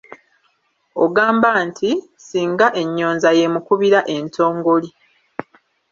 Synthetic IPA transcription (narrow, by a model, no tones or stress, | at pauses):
o̰ɡaːmbantʰi | siːŋɡaʔe̞ɲːo̞ːnzaje̞mukuβiɾaʔe̞nto̞ːŋɡoli